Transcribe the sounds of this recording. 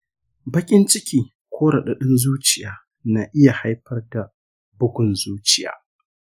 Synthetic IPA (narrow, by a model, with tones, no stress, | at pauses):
bɐ˦kʲʼɪ˦nt͡ʃɪ˦kʲiː˨ | kʷʰoː˦ɽɐ˨ɗɐ˨ɗɪ˦nzuː˦t͡ʃɪ˨jaː˨˦ | na˨ʔɪ˦ja˨ha˦jɸɐ˦rda˨ | bʊ˦ɡʷʊ˨nzuː˦t͡ʃɪ˨ja̰ː˨˦